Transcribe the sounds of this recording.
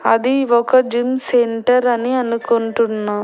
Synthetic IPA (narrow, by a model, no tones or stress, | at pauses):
ɐðiʋokɐd͡ʒimseɳʈɐɾɐniɐnɯkːunʈɯnːã